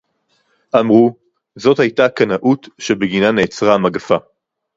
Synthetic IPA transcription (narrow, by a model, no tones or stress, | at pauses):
ʔamʁu | zo̞thajtakanaʔutʃe̞beɡinaneːt͡sʁamaɡafa